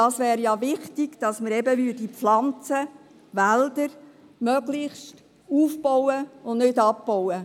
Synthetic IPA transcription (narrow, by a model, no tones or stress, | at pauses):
dɑːsʋɛːɾjɑʋɪχtɪɡ̥d̥ɑsməɾɛbəʋyːdiflɑnt͡sə | ʋæld̥̪əɾ | mœɡlɪχst | uːfbɔwəʊnnʏdɑp̚ːɔwə